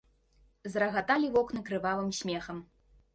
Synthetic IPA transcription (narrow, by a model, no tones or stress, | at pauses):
zɾɐɣat̪alʲivɔknɨkɾɨvalˠɨmsʲmʲɛxɐm